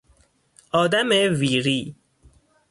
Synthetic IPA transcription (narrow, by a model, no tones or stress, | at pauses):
ɒːd̪æmeviːɾiː